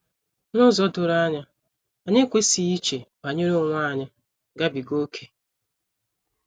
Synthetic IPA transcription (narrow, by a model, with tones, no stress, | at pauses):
nʊ˦zɔ˦dʊ˨ɾa˦ɲa˦ | a˨ɲe˦kʷe˦si˨i˦t͡ʃe˨ba˨ɲe˦ɾo˦˨ŋʷa˦˨ɲa˦ | ɡa˦bi˨ɡo˦kʰe˨